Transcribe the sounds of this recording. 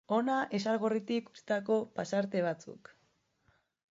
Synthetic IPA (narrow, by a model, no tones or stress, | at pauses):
o̞naʔe̞salɣorit̪iku̥si̥t̪ako̞pasaɾt̪e̞β̞at͡sṵk